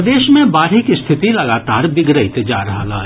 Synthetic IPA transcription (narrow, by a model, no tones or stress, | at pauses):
d̪eːʃmẽbaːɾɦɪkist̪ʰɪt̪ilɐɡaːt̪aːɾbɪɡɾəɪt̪d͡ʒa̰ːɾɐɦa̰la̰ː